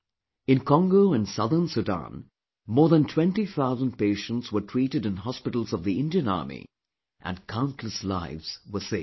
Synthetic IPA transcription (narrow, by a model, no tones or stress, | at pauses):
ɨ̃nkʰɔ̃ŋɡoʊɨ̃nsʌðə˞nsudã̰n | mɔːɹðə̃ntʰw̥ɛ̃ntiθaʊzə̃nd̚peɪʃə̃n̩tswə˞tʰɹ̥iːɾɨdɨ̃nɦɑspɪɾl̩ˠzʌvðiɪ̃ndiɨ̃nɑ̰ɹmḭ | ʔɨ̰̃nkʰãʊ̃ntʰˡləsla̰ɪvz̥wə˞se